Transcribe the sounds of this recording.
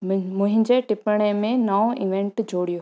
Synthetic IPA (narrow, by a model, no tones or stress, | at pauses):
mʊ̃ɦɪ̃ɲd͡ʑeʈɪpəɽ̃emẽnaːõʔiʋẽɳʈd͡ʑʱoːɽijo